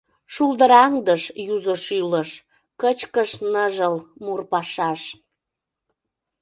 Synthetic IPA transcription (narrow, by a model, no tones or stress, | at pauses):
ʃuld̪əɾɑŋd̪əʃjuzəʃyləʃ | kət͡ɕkəʃnəʒəlmurpɑʃɑʃ